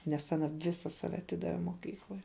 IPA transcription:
nʲɛs ɐˈnɐ ˈʋʲɪsɐ ˈsɑːʋʲɛ ɐˈtʲɪdɐʋʲɛ moːˈkʲiːklˠɐɪ

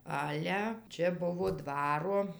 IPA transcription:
ˈɑːlʲɛ ˈt͡ʃʲɛ ˈbʊʋoː ˈdʋɑːroː

